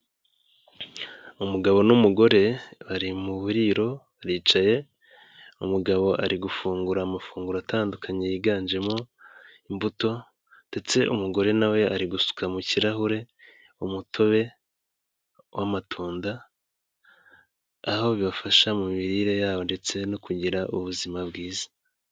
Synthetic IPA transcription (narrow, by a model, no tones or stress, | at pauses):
umuɡaβo̞numuɡo̞ɾe̞βaɾimuβuɾiɾo̞βaɾiːt͡ʃaje̞ | umuɡaβo̞ʔa̰ɾiɡufuːŋɡuɾaːmafuːŋɡuɾoatʰaːndukʰaɲejiɡaːɲd͡ʒe̞mo̞ | imbuto̞ | nde̞t͡se̞ʔumuɡo̞ɾe̞nawe̞aɾiɡusu̥kʰamuciɾaɦuɾe̞ | umutʰo̞βe̞ | wamatʰuːnda | ho̞βiβafaʃamumiɾiɾe̞jaːβo̞nde̞t͡se̞nokuɟiɾaʔṵβuzimabɡiːzḁ